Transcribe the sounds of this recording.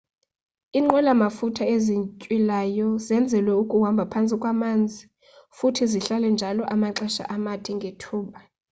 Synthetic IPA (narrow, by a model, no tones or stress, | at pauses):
iŋ͡ǁɔlamafutʰaeziɲcʼwilajɔzɛnd͡zʱɛlwɛukʼuwambʱapʰant͡sʼikʼwamand͡zʱi | futʰiziɬalɛnd͡ʒʱalɔʔamaǁɛʃa̰ʔamatʰʼiŋɡʱetʰuːɓa